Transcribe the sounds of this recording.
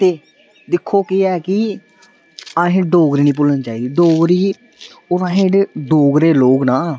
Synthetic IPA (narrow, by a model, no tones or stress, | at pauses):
t̪eː | d̪ɪkʰːoːkɪɛːkɪ | aːɦẽd̪oːɡɾiːnĩːpʊlənt͡ʃaːiːd̪iːd̪oːɡɾiː | oːɾãːɦẽːʈɖ̪oːɡɾeːloːɡnaː